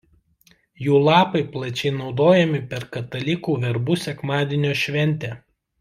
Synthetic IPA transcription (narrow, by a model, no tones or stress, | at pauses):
juːlˠɑːpɐɪplˠɐt͡ʃʲɛɪnɒʊd̪oːjɛmʲɪpʲɛɾkɐt̪ɐlʲɪkuːʋʲɛɾbusʲɛkmɑːd̪ʲɪːnʲoːʃʲʋʲɛnʲˑt̪ʲɛː